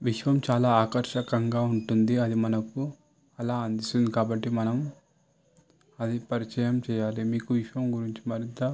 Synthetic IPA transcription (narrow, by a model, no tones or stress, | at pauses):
ʋiʂʋɐmt͡ʃaːlaːaːkɐɾʃɐkɐŋɡaːuɳʈund̪iɐd̪imɐnɐku | ɐlaːɐnd̪ist̪und̪ikaːbɐʈːimɐnɐm | ɐd̪ipɐɾit͡ʃɐjɐmt͡ʃɛːjaːlimiːkuʋiʃʋɐmɡuɾiɲt͡ʃimɐɾint̪ɐ